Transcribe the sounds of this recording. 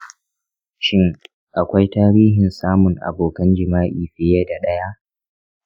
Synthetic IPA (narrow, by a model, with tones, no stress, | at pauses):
ʃɪ˦ŋ | ʔa˨kʷa˦jtaː˦ɽiː˦ɦɪ˨nsaː˦mʊ˨ŋʔa̰˨boː˨kɐ˦nd͡ʒɪ˨maː˦ʔiː˨ɸɪ˦jaː˦da˨ɗɐ˦ja˦ʔ